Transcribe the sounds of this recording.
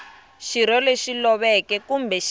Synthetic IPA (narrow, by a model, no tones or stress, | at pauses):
ʃiɾɔleʃilɔβɛkɛkumbʱɛʃ